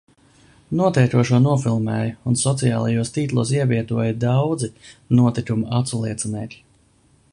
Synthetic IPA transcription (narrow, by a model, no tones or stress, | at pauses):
nuɔt̪ɛjk̪uɔʃunuɔfilˠmɛːjunsɔt̪sijaːlˠajuɔst̪iːt̪lˠuːsiɛvʲiɛt̪uɔjd̪awd̪zinuɔt̪ikumʔat̪sulˠiɛt̪sinɛːkʲ